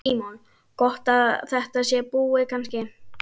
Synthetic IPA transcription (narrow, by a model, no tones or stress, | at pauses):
iːmɔn | kɔht̪aðθɛht̪asjɛpuːɪkʰanscɪ